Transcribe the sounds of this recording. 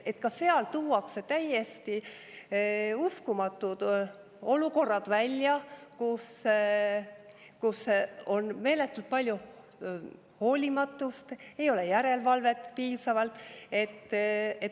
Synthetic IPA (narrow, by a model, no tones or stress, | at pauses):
e̞t̪kɑse̞ɑlt̪uːɑkset̪æje̞st̪i | uskumɑt̪ːˑud̪̥ | o̞luko̞rːɑd̪̥vælʲjɑkus | kuso̞nme̞ːle̞t̪ːˑult̪̚pɑlʲju | ho̞ːlʲimɑt̪ːˑust̪e̞jo̞le̞jæɾe̞lvɑlve̞t̪piːsɑvɑlt̪ːˑe̞t̪ːˑe